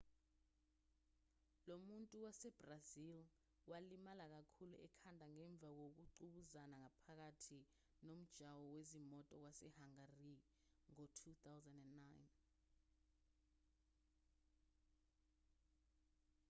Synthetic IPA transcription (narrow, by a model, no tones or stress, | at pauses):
lomuntʼuwasɛb̥razil | walimalak̬akʰuluʔɛkʰandʱaŋɛɱb̪vʱak̬ok̬uǃuɓuzanaŋapʰak̬atʰi | nom̩d̥ʒ̥ʱawɔwezimɔtʼɔk̬wasɛhaŋari | ŋɔtʰut̪awzɛndɛnːajn